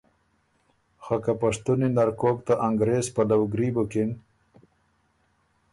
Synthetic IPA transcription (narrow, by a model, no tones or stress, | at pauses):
xakapaʂt̪uninaɾkokt̪aʔaŋɡɾezpalawɡɾibokin